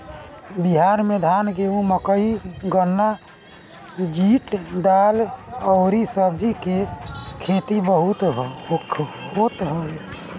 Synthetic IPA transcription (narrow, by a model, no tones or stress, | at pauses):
biɦaɾmed̪ʱanɡeuməkəiɡənːa | d͡ʒiʈɖaləʊɾisəbd͡ʒikekʰet̪ibəɦut̪ɦokʰːhot̪ɦəl